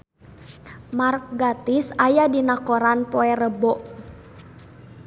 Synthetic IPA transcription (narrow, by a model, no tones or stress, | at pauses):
mark̚ɡat̪isajadinakɔɾanpɔɛrəbɔʔ